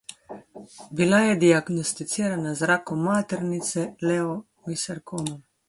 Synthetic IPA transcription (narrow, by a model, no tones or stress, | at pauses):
bilajɛd̪iaɡnɔst̪it̪siːɾanazɾaːkɔmːaːt̪ɛɾnit̪sɛlɛɔ | isɛɾkʰoːmɔ